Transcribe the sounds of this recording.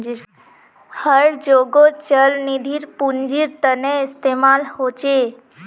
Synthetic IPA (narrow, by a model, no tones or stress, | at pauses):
həɽd͡ʑoɡot͡ɕəlnid̪ʱiːɾpund͡ʒiːɾt̪ənẽist̪emalhot͡ʃe